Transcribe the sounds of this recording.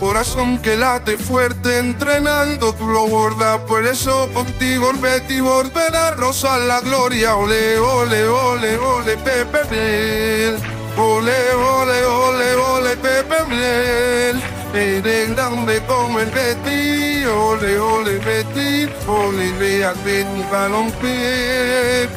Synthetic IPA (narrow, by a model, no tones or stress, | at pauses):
koɾasoŋkelat̪efweɾt̪eːnt̪ɾenãnd̪ot̪uloɣwoɾðapoɾesokont̪iɣoelβet̪iβoɾðenarosalaɣloɾjaoleoleoleβolet̪epeβel | oleoleoleolepepeβlel | eɾedadekomenbet̪ioleoleβet̪i | oleβeakbeɲiβaloŋk͡pi